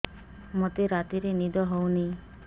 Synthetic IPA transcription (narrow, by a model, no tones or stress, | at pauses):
mot̪eɾat̪iɾenid̪ɔɦowni